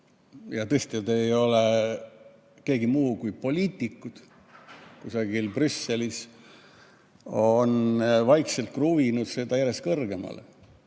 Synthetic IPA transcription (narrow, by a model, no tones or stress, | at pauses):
jɑt̪ɤest̪iet̪ejo̞le | ke̞ːɡimuːkujpo̞lʲiːt̪ʲːˑikːˑud̪̥ | kusɑɡ̥ilprysːe̞lis | onvɑjkse̞lt̪̚kruvinud̪̥se̞d̪̥ɑjæɾe̞skɤrɡ̥e̞mɑ̰lḛ